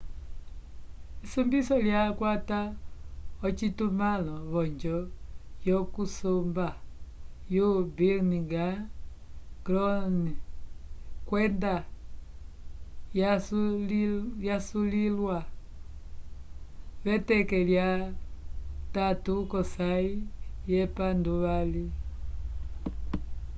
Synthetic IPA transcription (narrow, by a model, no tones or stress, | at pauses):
isumbisɔljakwata | ɔt͡ʃitumalɔβɔɲd͡ʒɔjɔkusumba | jubilniŋɡa | ɡlɔni | kwɛnda | jasulljasulilwa | βɛtɛkɛlja | tatukɔsaijɛpanduβali